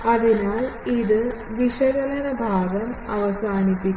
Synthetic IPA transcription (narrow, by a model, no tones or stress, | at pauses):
ɐðinaːliðɨ | ʋiʂɐɣɐlɐnɐbʱaːɡɐmɐʋɐsaːnipːikː